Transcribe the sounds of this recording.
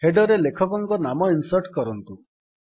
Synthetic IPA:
heɖɔɾelekʰɔkɔŋkɔnamɔinsɔɾʈkɔɾɔnt̪u

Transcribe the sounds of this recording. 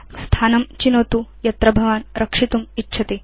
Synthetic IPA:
st̪ʰaːnɐmt͡ʃinoːt̪ujɐt̪ɾɐbʱɐʋaːnɾʔɐkʂit̪umitːɕʰɐt̪eː

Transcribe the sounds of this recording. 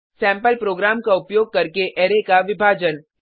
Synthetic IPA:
sɛ̃ːmpəlpɾoːɡɾaːmkaʊpjoːɡ̚kɐɾkeʔeːɾekaʋɪbʱaːd͡ʒən

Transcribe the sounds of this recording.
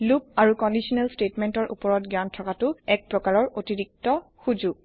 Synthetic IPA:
lupaɹukɔndisɔnɛlstetmɛntɔɹʔṵpɔɹɔtɡjantʰɔkatʊɛk̚pɹɔkaɹɔɹotiɹik̚tɔxud͡ʒuɡ̚

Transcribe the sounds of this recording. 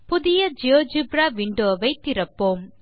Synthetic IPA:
pʊðɪjɐd͡ʒoːd͡ʒɯbɾaːʋiɳɖoːʋɐɪt̪ːɪɾɐpːoːm

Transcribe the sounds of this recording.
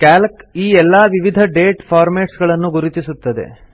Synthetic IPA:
kaːlkiːɛlːɐʋiʋid̪ʱɐɖeːʈpʰaːɾmeːʈsɡɐɭɐnːuɡuɾit̪isut̪ːɐd̪e̞̰

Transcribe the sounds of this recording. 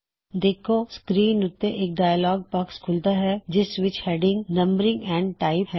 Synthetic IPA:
d̪eːkʰoskɾiːnʊt̪ːẽʔeːk̚ɖaːjəlɔːɡ̚pɐkskʰʊlt̪aɦɛd͡ʒɪsʋɪt͡ʃheːɖɪ̃ŋɡnɐ̃mbəɾɪ̃ŋɡɛ̃ːɳɖʈaːɪpɦɛ

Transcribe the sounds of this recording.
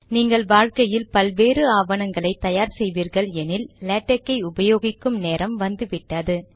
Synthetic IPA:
niːŋɡɐɭʋaːɻkɐjɪlpɐlʋeːɾɯaːʋɐɳɐŋɡɐɭɐɪt̪ɐjaːɾsɛjʋiːɾɣɐɭɛnɪllɛːʈːɐkːɐɪʊbɐjoːɣɪkːɯmneːɾɐmʋɐnd̪ɯʋɪʈːɐðɯ

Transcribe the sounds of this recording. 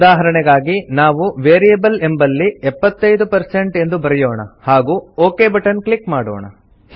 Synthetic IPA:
ud̪aːɦɐɾɐɳɛɡaːɡinaːʋuʋeːɾijɐbɐle̞mbɐlːiɛpːɐt̪ːɐjd̪upɐɾseɳʈe̞nd̪ubɐɾɛjoːɳɐ̰haːɡuːoːkeːbɐʈɐnklikmaːɽɔ̰ːɳɐ̰

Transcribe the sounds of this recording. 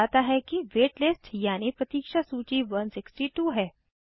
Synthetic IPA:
at̪aɦɛkiʋeʈlesʈjañipɾət̪iːkʂasut͡ɕiːʋənsiksʈiːʈuːɦɛ

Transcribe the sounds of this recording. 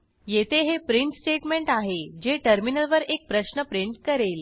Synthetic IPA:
jet̪ʰeɦepɾiɳʈsʈeʈmeɳʈaɦed͡ʑeʈəɾminəlʋəɾek̚pɾəɕnəpɾiɳʈkəɾel

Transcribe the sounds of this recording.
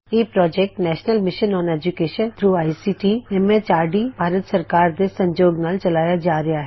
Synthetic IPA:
eːpɾɔːd͡ʒek̚ʈnɛːʃnəlmɪʃənɔ̃ːned͡ʒukeːʃə̃nt̪ʰɾuːaːisiʈiemet͡ʃaːɖibʱaːɾət̪sɐɾkaːɾd̪esɐ̃ɲd͡ʒoːɡnaːlt͡ʃɐlaːjad͡ʒaːɾɐjaɦɛ

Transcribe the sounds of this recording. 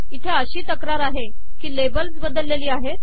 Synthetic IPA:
it̪ʰeəɕiːt̪əkɾaɾaɦe | kiːlebəlsbəd̪əlːeliːaɦet̪

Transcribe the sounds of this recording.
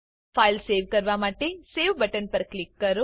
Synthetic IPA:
pʰaːjlseːʋkɐɾʋaːmaːʈeseːʋbɐʈɐnpɐɾklikːɐɾu

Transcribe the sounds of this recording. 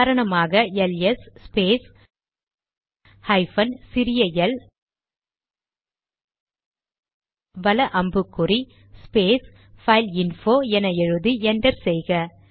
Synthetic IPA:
ɾɐɳɐmaːɣɐɛlɛsːpeːs | hɐɪfɐnsɪɾɪjɐjɐl | ʋɐlɐʔɐmbɯkːʊri | speːs | fɐɪlɪnfoːɛnɐɛɻɯðɯɛndɐɾsɛjɣɐ

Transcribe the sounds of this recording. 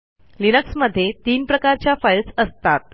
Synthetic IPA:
linəksməd̪ʱːjet̪iːnpɾəkaɾt͡ɕjafəjlsəst̪at̪̚

